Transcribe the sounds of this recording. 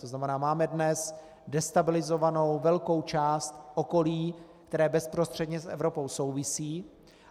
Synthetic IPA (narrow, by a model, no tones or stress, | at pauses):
t̪oznamɛnaːmaːmɛdnɛs | dɛst̪abɪlɪzovano̞wvɛlko̞wt͡ʃaːst̪ʔo̞ko̞liːkt̪ɛɾɛːbɛspɾo̞st̪r̝̥ɛdɲɛsʔɛ̰vɾo̞po̞wso̞wvɪsiː